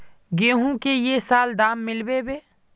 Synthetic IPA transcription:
ɡeːɦũkejesaːld̪aːmːɪlbebeː

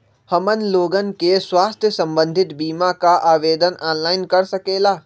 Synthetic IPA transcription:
hɐmən̆loːɡənɪ̆keswaːst̪ʰjəsɐ̃mbə̃nd̪ʱɪt̪biːmakaʔaːʋeːd̪ənaːnlaːɪnkɐɾsɐkeːlaː

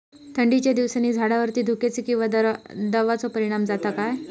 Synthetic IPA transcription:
t̪ʰəɳɖit͡ɕjad̪iʋsanːiːd͡zʱaɽaʋəɾt̪iːd̪ʱuket͡siːkĩw̃ʋad̪əʋat͡sɔpəɾiɽ̃amd͡zat̪akaj

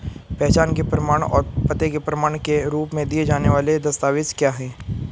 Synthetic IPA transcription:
pɛɦt͡ʃaːnkepɾɐmaːɽ̃ɔ̰ːɾpɐt̪ekepɾɐmaːɽ̃keɾuːpmẽd̪ied͡ʒaːneʋaːled̪ɐst̪aːʋɪskjaːɦɛ̃ː

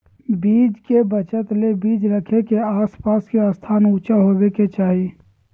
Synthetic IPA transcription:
biːd͡ʒkebət͡ʃət̪lebiːd͡ʒɾəkʰekeaːspaːskeəst̪ʰaːnuːt͡ʃaɦobeket͡ʃaːɦi

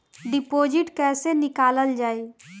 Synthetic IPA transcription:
ɖɪpoːd͡ʒɪʈkɛːsenɪkaːləld͡ʒaːeː

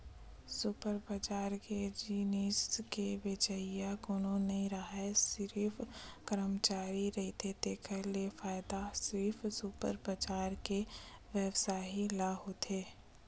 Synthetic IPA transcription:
sʊpəɾbət͡ʃaːɾked͡ʒiːniːskeʋet͡ʃəijakoːnonɐɦĩɾɐɦɛsɪɾifkəɾəmt͡ʃaːɾiɾɐɦit̪et̪eːkʰəlefaːɪd̪asɪɾfsupə̰ɾpət͡ʃaːɾkeʋjəʋsaːɦilaːɦot̪ʰeː

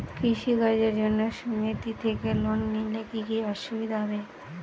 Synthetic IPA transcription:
kɾiʃiɡad͡ʑeɾd͡ʑonːoʃumit̪it̪ʰekelonːilekikiɔʃːobid̪aɦɔbe

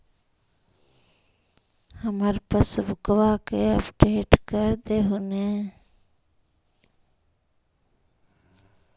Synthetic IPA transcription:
həməɾpəsbʊkʋakeəpʈeːʈkəɾd̪eɦune

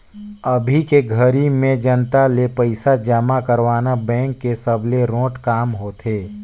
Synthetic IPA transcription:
əbʱikeɡʱəɾimẽd͡ʒənt̪alepəɪsad͡ʒəmakəɾʋaːnabɛ̃ːŋkːesəbʱleɾõːʈkaːmɦoːt̪ʰeː

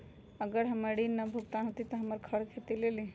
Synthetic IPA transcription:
əɡəɾɦəməɽinnːəbʱukt̪anɦot̪it̪ɔɦəməɾkʰəɽkʰet̪ileli

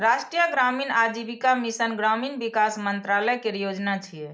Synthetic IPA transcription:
ɾaʃʈɾijəɡɾaminad͡ʒibikamisənɡɾaminbikasmənt̪ɾaləkeɾjod͡ʒnat͡ʃʰijɛ

